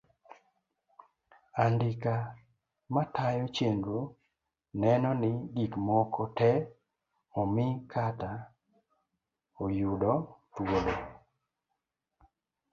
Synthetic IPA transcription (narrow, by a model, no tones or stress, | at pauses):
andɪka | matajot͡ʃeŋɡo | nɛnɔnɪɡikmokʰotɛ | ɔmɪkʰata | ojudɔtwolo